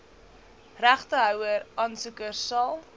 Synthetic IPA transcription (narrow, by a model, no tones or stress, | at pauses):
ræχtəɦœwəɾʔɑnsukərsɐlˠ